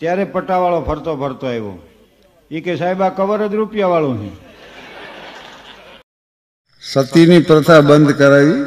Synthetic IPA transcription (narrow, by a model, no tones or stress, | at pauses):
t̪jaɾepəʈaʋaɭopʰəɾt̪opʰəɾt̪oeʋõ̰ | ikesaɦibakəʋəɾəd̪ɾupjaʋaɭõɦɛ̰̃ | sət̪inipɾət̪ʰabənd̪ʱkəɾaʋi